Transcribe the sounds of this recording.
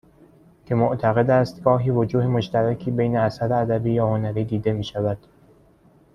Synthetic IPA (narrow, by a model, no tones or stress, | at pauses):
cʰe̞moʔt̪ʰæɣe̞d̪æːst̪ɡɒːɦiːvod͡ʒuːhemoʃt̪æɾæcʰiːbejneæsæɾeæd̪æbiːjɒːhonæɾiːd̪iːd̪e̞miːʃævæd̪̥